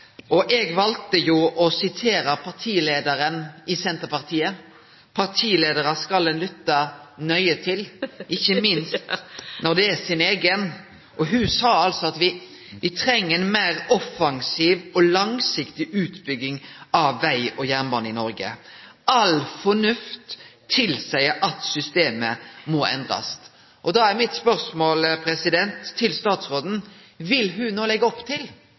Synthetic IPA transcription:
ɔʔɛɡʋɑlt̪əjuʔɔsɪt̪ʰeːɾəpʰɑʁʈʰiːleːd̪əɾənɪsɛnt̪əpɑʁt̪ʰiːə | pʰɑʁʈʰiːleːd̪əɾəskɑld̪ɛnlʏt̪ːənœʏət̪ʰɪlʔɪçːəmɪnst̪nɔd̪ɛæsɪneːɡən | ʔɔɦʉsɑːɑlsɔɑt̪ʋɪ | ʋɪt̪ʰɾɛŋːəɛnmæɪɾɔfɑŋsiːʋɔlɑŋsɪkt̪ɪʔʉːt̪bʏɡːɪŋɑʋːæɪɔjæʁnbɑnːɪnɔɾɡə̰ | ɑlfɔnʉft̪ʰː | ɪlsæɪəɾʔɑt̪sʏst̪eːməmɔːɛ̰nd̪ɾɑ̰s | ʔɔd̪ɑːæɾmɪt̪spœʁsmoːlpʰɾɛsɪd̪ɛnt̪ʰːɪlst̪ɑːt̪sʁoːd̪n̩ | ʋɪlɦʉnoːlɛɡːəɔpːt̪ʰɪl

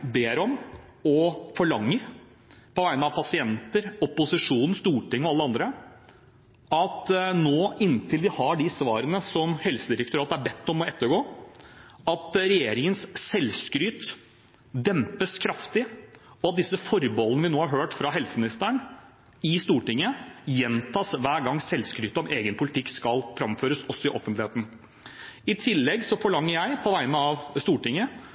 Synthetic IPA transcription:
beːɾɔmɔfɔɭɑŋːəɾ | pʰɔʋæɪnəɑʋpʰɑsɪɛnt̪əɾɔpʊsɪʂuːnn̩st̪uːʈɪŋːɔɑlːəɑnd̪ɾə | ɑt̪noːɪnːt̪ʰɪlʋɪhɑɖɪsʋɑːɾənəsɔmhɛlsəd̪ɪɾək̚t̪ʊɾɑːt̪əæɾbɛt̪ːɔmɔɛt̪ːəɾɡoː | ɑt̪ɾɛjeːɾɪŋənssɛlskɾyːt̪ | d̪ɛmpəskʰɾɑft̪ɪ | ɔɑt̪̚d̪ɪsːəfɔɾbɔlənəʋɪnoːhɑɾɦøːʈfɾɑɦɛlsəmɪnɪst̪əɳ | ɪst̪uːʈɪŋːəjɛnt̪ʰɑːsʋæːɡɑŋːsɛlskɾyːt̪əɔmʔeːɡənpʰʊlɪt̪ʰɪkːskɑlfɾɑmføːɾəsɔsːɔɪʔɔfənt̪lɪheːt̪n̩ | ɪt̪ʰɪlːɛɡsɔfɔɭɑŋːəɾjæɪpʰɔʋæɪnəɑʋst̪uːʈɪŋːə

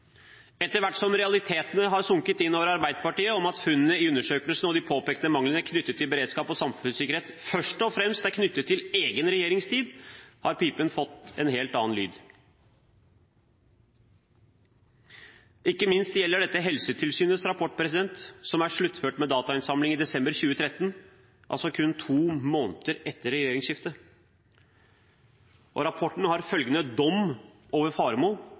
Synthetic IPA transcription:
ɛt̪ːəɾʋæʈːsɔmɾɛɑlɪt̪ʰeːt̪ənəɦɑɾsʊŋkət̪ɪnːoːʋəɾɑɾbæɪd̪əpɑʈiːəɔmɑt̪fʉnːənəɪʉnːəʂøːkəlsənɔd̪ɪpʰoːpeːkt̪əmɑŋlənəkʰnʏt̪ːət̪ʰːɪlbəɾeːd̪skɑːpɔsɑmfʉnsɪkəɾheːt̪fœʂʈɔfɾɛmst̪æɾkʰnʏt̪ːət̪ʰːɪleːɡənɾɛjeːɾɪŋst̪ʰiːd̪hɑɾpiːpənfɔt̪ːɛ̰nɦeːlt̪ɑːnly̰ːd̪ | ɪkːəmɪnst̪jɛlːəɖɛt̪ːəɦɛlsət̪ʰɪlsyːnəsɾɑpʰɔʈːpʰɾɛsɪd̪ɛnt̪sɔmæʂɭʉt̪ːføːʈmɛd̪ɑːt̪ɑɪnsɑmlɪŋiːd̪ɛsɛmbəɾçʉːət̪ʰɾɛt̪ːən | ʔɑ̰lsɔkʰʉnt̪ʰuːmoːnt̪əɾɛt̪ːəɾɛjeːɾɪŋsʃɪft̪ə | ʔɔ̰ɾɑpʰɔʈːɳ̩hɑɾfœlɡənəd̪ɔm | oːʋəɾfɑːɾmoː

